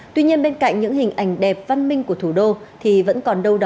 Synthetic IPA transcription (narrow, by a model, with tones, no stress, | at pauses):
t̪wi˧ɲi˧ənɓe˧nka̰˧˨jŋ̟ɲɨ̰˧˥ŋɦï˨˩ŋ̟ʔa˨˧˩jŋ̟ɗɛ˨˩p̚va˧nmï˧ŋ̟ku˧˩ət̪ʰu˧˩ɗo˧t̪ʰi˨˩və̰˧˥nkɔ˨˩nɗə˧wɗɔ˨˦